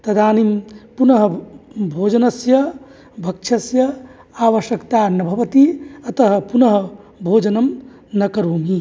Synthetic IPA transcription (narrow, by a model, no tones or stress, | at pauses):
t̪ɐd̪aːnimpunɐɦɐbʱoːd͡ʒɐnɐsjɐ | bʱɐkʂʰɐsjɐ | aːʋɐʃjɐkt̪aːnɐbʱɐʋɐt̪iɐt̪ɐɦɐ̆punɐɦɐ̆ | bʱoːd͡ʒɐnɐm | nɐkɐɾoːmi